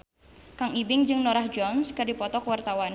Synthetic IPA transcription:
kaŋibɪŋd͡ʒɨŋnoɾahd͡ʒɔnskadipɔt̪ɔkwart̪awan

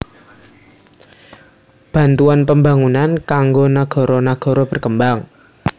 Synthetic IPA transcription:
b̥a̤nt̪uanpəmbaŋunankaŋɡonaɡ̥ɔ̤ɾɔnaɡ̥ɔ̤ɾɔb̥ə̤rkəmbaŋ

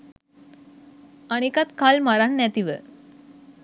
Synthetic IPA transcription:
aɽ̃ikat̪kʰalmaɾaɳːjat̪iʋə

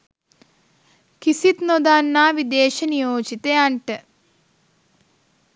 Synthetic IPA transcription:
kisit̪nod̪aːnːaːʋid̪eːʃɐnijoːt͡ʃit̪ejaɳʈɨ

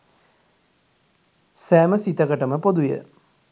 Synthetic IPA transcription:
sæːməsit̪əkəʈəməpod̪ujə̰

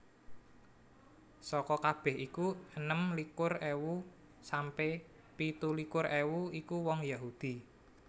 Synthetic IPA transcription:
sɔkɔkab̥ɛ̤hikuənəmlikʊrewu | sampe | pit̪ulikʊrʔewuikuwɔŋjaɦud̪̥i̤

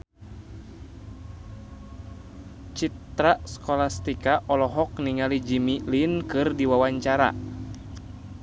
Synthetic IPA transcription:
t͡ʃit̪ɾaskɔlast̪ikaʔɔlɔɦɔk̚niŋalid͡ʒimilinkɨrdiwawaɲt͡ʃaɾa̰

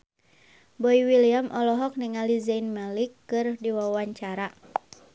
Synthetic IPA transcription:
bɔiwiliamʔɔlɔɦɔk̚niŋalizainmalikːɨrdiwawaɲt͡ʃaɾa

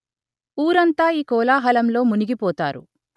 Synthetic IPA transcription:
uːɾɐnt̪aːiːkɔːlaːɦɐlɐmlo̞ːmuniɡipɔːt̪aːɾṵ

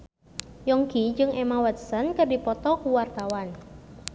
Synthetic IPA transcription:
jɔŋkid͡ʒɨŋʔemawɛt̪̚sənkɨrdipɔt̪ɔkuwart̪awan

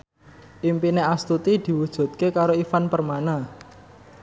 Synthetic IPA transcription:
ʔimpineast̪ut̪id̪̥i̤wud̥ʒ̥ṳt̪̚kekaɾoifanpərmana

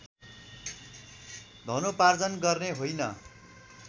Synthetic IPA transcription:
d̪ʱʌnopard͡zʌnɡʌrneɦojnʌ

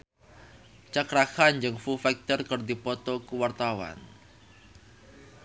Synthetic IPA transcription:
t͡ʃakɾakand͡ʒɨŋfufɛk̚t̪ərkɨrdipɔt̪ɔkuwart̪awa̰n

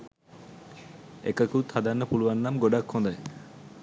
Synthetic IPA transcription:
ḛkakuwt̪ʰad̪anːəpuluanːamɡoɖakʰːɔ̃nd̪aj

